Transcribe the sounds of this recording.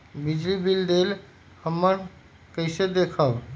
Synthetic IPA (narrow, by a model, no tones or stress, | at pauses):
bid͡ʒlibild̪el | həmːən | kəɪsed̪ekʰəb